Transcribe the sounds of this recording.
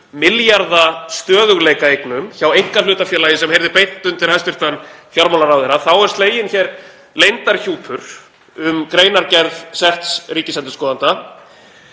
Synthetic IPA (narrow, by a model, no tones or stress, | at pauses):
mɪljaɾðast̪œːðʏɣleːjkaejknʏmçawejŋ̥kalʏːt̪afjɛːlaːjɪsɛmhejɾðɪɾpejt̪ːʏmt̪ʰɪlhast̪ʏɾ̥t̪anfjɔɾmawlaɾawθejɾaθawɛɾ̥st̪leːjɪnçɛɾ | lejnt̪aɾ̥çuːpʰʏɾ̥ | ʏmkɾeːjnaɾcɛɾðsɛht̪sɾiːcɪslɛnt̪ɪskɔːðant̪a